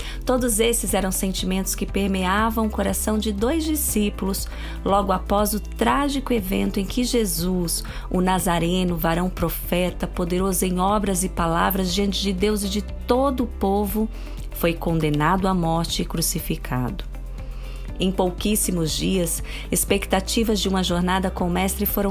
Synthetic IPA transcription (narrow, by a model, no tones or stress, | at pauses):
t̪od̪ʊzesɪzɛɾɐ̃w̃sẽnt͡ʃimẽnt̪ʊskɪpeɾmeavɐ̃w̃ʊkoɾasɐ̃w̃d͡ʒɪd̪ojzd͡ʒisipʊlʊs | lɔɡʊapɔzʊt̪ɾaʒikʊevḛ̃nt̪ʊẽkɪʒezus | ʊnazaɾẽnʊvaɾɐ̃w̃pɾofɛt̪ɐpod̪eɾozʊẽj̃ɔbɾɐzɪpalavɾɐzd͡ʒiɐ̃nt͡ʃɪd͡ʒɪd̪ewzɪd͡ʒɪt̪od̪ʊːpovʊ | fojkõnd̪enad̪ʊamɔɾt͡ʃɪːkɾusifikʰa̰d̪ʊ | ẽj̃powkisimʊzd͡ʒiɐs | espekt̪at͡ʃivɐzd͡ʒɪũmɐʒoɾnad̪ɐkõʊmɛst̪ɾɪfoɾɐ̃w̃